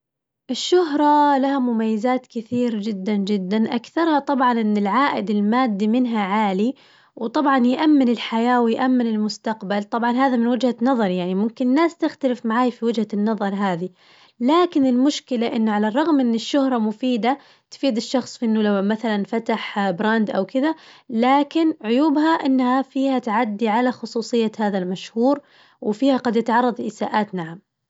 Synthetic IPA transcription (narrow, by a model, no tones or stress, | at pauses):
ʔɪʃːʊɦɾˤɑlaɦamʊmajːɪzaːt̪kɪθiːɾd͡ʒɪd̪ːand͡ʒɪd̪ːanʔakθɑɾˤhɑt̪ˤɑbʕɑnʔɪnːɪlʕaːʔɪd̪ɪlmaːd̪ːimɪnɦaʕaːli | wt̪ˤɑbʕɑnjʔamːɪnɪlħajaːwijʔamːɪnɪlmʊst̪aqbalt̪ˤɑbʕɑnɦaːðamɪnwɪd͡ʒhanɑðˤɑɾˤjaʕnimʊmkɪnɪnːaːst̪ɪxt̪alɪfmaʕaːjfiwɪd͡ʒhanːɑðˤɑɾˤɦaːði | laːkɪnɪlmʊʃkɪlaʔɪnːʕalarˤːɑɣmʔɪnːɪʃːʊhɾˤɑmʊfiːd̪a | t̪fiːd̪ɪʃːɑxsˤfiʔɪnːʊlawmaθalanfat̪aħbɾaːnd̪ʔa̰wkɪðalaːkɪnʕʊjuːbɦaʔɪnːhafiːhat̪aʕad̪ːiʕalaxʊsˤuːsˤɨjːahaːðalmaʃhuːɾ | wɪfiːhaqɑd̪jat̪ʕɑrˤːɑðˤʔɪsa̰ːʔaːt̪naʕam